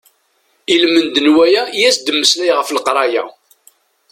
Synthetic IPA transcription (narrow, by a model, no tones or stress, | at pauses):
ilmənd̪ənwæjæjæsd̪əmːəslæjʁəflqɾˤɑjæ̰